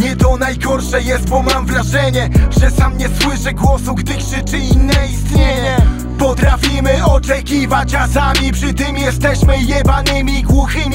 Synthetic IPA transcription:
ɲɛt̪ɔnajɡɔɾʂɛjɛst̪̚bɔmamvɾaʐɛɲɛʐɛsamɲɛswɪʂɛɡwɔsuɡd̪ɘkʂɘt͡ʂɘinːɛist̪ɲeɲɛ | pɔt̪ɾafʲimɘɔt͡ʂɛkʲivat͡ɕasamʲipʂɘt̪ɘmjɛst̪ɛɕmɘjɛbanɘmʲiɡwuxɘmʲi

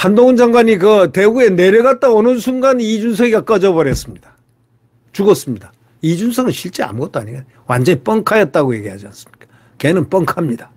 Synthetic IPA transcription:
handoŋɯnd͡ʑaŋɡwaɲikʌte̞ue̞ne̞ɾjʌɡat̚t͈aonɯnsʰuŋɡanid͡ʑunsʰʌɡiɡak͈ʌd͡ʑʌbʌɾjʌs͈ɯmɲid̥ḁ | t͡ɕuɡʌs͈ɯmɲid̥a | id͡ʑunsʰʌɡɯnɕʰiɭt͡ɕ͈ea̰mɡʌt͈oa̰ɲiɡan | wand͡ʑʌɲip͈ʌŋkʰajʌt̚t͈aɡoje̞ɡiɦad͡ʑians͈ɯ̥mɲik͈ḁ | kenɯnp͈ʌŋkʰamɲida

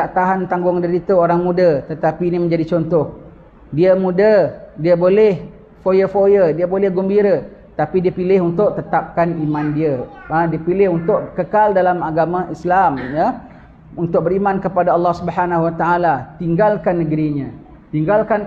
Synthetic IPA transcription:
t̪aʔt̪aɦant̪aŋɡʊŋdiɾit̪əoɾaŋmũdət̪ət̪apiːnimə̃ɲd͡ʒadit͡ʃɔnt̪ɔh | diəmũdədiəbolɛh | fojəfojədiəbolɛhɡɔmbiɾə | t̪apidiəpilɪɦunt̪ʊʔt̪ət̪ap̚kanimãndiəədiəpilɪɦunt̪ʊʔkəkaldalamaɡamaislamjə | unt̪ʊk̚bəɾimãnkəpadaɑlːɑhsubəɦanaɦwat̪aalat̪iŋɡalkanːəɡɾiɲə̃ | t̪iŋɡalkan

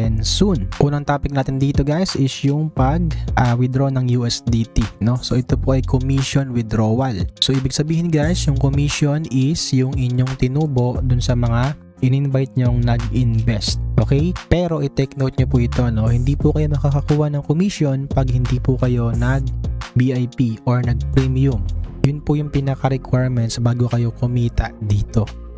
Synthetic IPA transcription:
ɛnsunʔuːnɐŋt̪aːpɪk̚naːt̪ɪnd̪iːt̪o̞ɡajsʔɪsjʊŋpɐɡ̚ʔawɪd̪ɾo̞nɐŋjuʔɛsd̪it̪ino̞soʔɛt̪opoʔɐjkʰomiʃonwɪd̪ɾoːwɐlso̞ʔiːbɪɡ̚sɐbiːhɪnɡajsjʊŋkomiʃjo̞nɪsjʊŋʔɪɲːoŋt̪ɪnuːbo̞ʔd̪ʊnsɐmɐŋa | ʔɪnɪnbajt̪̚ɲoŋnɐɡʔɪnvɛst̪̚ʔoːkɛjpɛːɾo̞ʔɪt̪ɛknowt̪̚ɲopuʔɪt̪o̞no̞hɪnd̪iːpʊkɐjonɐkakɐkuːhɐnɐŋkomiʃjo̞npɐɡ̚hɪnd̪ipʊkɐjo̞nɐɡ̚biʔɐjpiʔoɹnɐɡ̚pɾimjʊmjʊnpʊjʊŋpɪnɐkɐɾɛkwaɹmɛnt̪sbaːɡokɐjo̞kʊmiːt̪ɐd̪iːt̪o̞

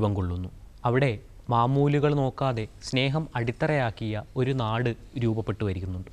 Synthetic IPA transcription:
bɐmkoɭːunːu | ɐʋiɽe̞ | maːmuːliɣɐɭno̞ːkːaːðe̞sne̞ːɦɐmɐɽit̪ːɐrɐjaːkːijɐo̞ɾunaːɽɨ | ɾuːbɐpːe̞ʈːuʋɐɾikʲːunːuɳɖɨ

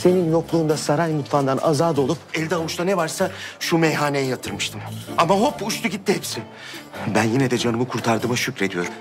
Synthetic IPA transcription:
se̞ninjo̞klˠuːnd̪asaɾajmut̪fand̪ana̰zaːd̪o̞lˠupɛlʲd̪ɛavut͡ʃlˠanɛvaɾsaʃumɛjɦaːnejɛjat̪ʰɯɾmɯʃt̪ʰɯmamaɦo̞puʃt̪ʰuɟit̪ʰːiɦɛpsi | bænjinɛd̪ɛd͡ʒanɯmɯkʰuɾt̪ʰaɾd̪ɯmaʃycɾe̞d̪ijo̞ɾum

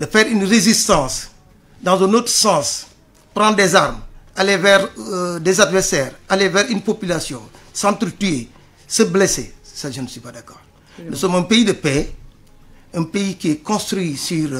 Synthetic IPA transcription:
dəfɛːɾynrezist̪ɑ̃ːs | dɑ̃zɛ̃not̪ɾsɑ̃ːs | pɾɑ̃ndɛzaɾmalevɛɾdɛzadvɛɾsɛːɾalevɛːɾynpopylasjɔ̃sɑ̃t̪ɾətye | səblesesaʒənswipadakɔːɾ | nusɔmɛ̃pejidəpɛ | ɛ̃pejikiɛkɔ̃st̪ɾɥisyːɾ

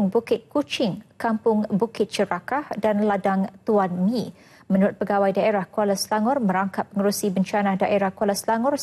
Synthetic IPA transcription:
ŋbukɪt̪̚kut͡ʃɪŋkampʊŋbukɪt̪̚t͡ʃəɾakahdanladaŋt̪uanmĩ | mə̃nuɾʊt̪̚pəɡawajdaeɾahkolaslaŋʊrmə̃ɾaŋkat̪̚ːəŋəɾusibəɲt͡ʃanahdaʔeɾahkolaslaŋʊr

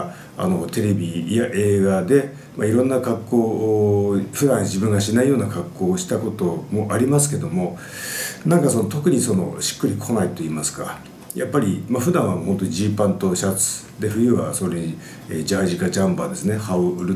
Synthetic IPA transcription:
a̰no̞t̪e̞ɾe̞bʲijaʔe̞ːɡad̪e̞ | maiɾõ̞nːakakːo̞ː | ɸɯ̟d̪ãɰ̃d͡ʑibɯ̟̃ŋɡaɕinaijo̞ːnakakːo̞ːɕi̥t̪ako̞t̪o̞mo̞ʔaɾʲimasɨ̥ke̞d̪o̞mo̞ | nãŋkaso̞not̪o̞kɯ̟ɲ̟iso̞no̞̰ɕi̥kːɯ̟ɾʲikʰo̞nait̪o̞iːmasɨ̥ka̰ | japːaɾʲimaɸɯ̟d̪ãɰ̃aho̞nt̪o̞ɲiʑipãnt̪o̞ɕat͡sɨ̥ | d̪e̞ɸɯ̟jɯ̟βa̰so̞ɾe | ḛd͡ʑaʑikad͡ʑãmbad̪e̞sɨne̞haoɾɯ

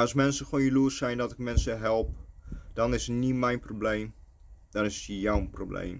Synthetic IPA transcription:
ɔsmɛnsəfoːnjəluəsɛjndɔtɪk̚mɛnsəɦɛlˠp̚d̥ɔnɪsətnimɛjnprobleːm | d̥ɔnɪsjawproblḛːm

